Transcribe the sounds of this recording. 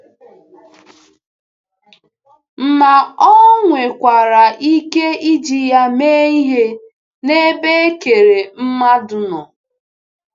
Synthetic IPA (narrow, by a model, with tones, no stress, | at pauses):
m̩˨ma˨ɔ˦ŋʷe˨kʷa˨ɾa˨ʔi˦ke˦i˦d͡ʒi˨ja˦me˦i˦ɦe˦ | ne˦be˦ke˨ɾe˨m̩˦ma˦dʊ˨nɔ˨